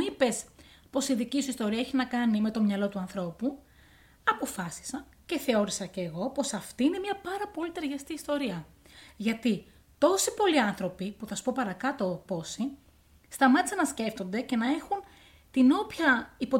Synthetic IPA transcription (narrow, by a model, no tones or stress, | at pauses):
ipe̞spo̞siðicisuist̪o̞ɾiɐeçinɐkɐnime̞t̪o̞mɲɐlo̞t̪uɐnθɾo̞pu | ɐpo̞fɐsi̥sɐn | ce̞θe̞o̞ɾisɐce̞ːɣo̞po̞sɐft̪iine̞mɲɐpɐɾɐpo̞lit̪eɾʝɐst̪iːst̪o̞ɾiɐ | ʝɐt̪i | t̪o̞sipo̞liɐnθɾo̞pipuθɐsu̥po̞pɐɾɐkɐt̪o̞po̞si | st̪ɐmɐt̪isɐnɐsce̞ft̪o̞nd̪e̞ce̞nɐe̞xun | t̪ino̞pçɐipo̞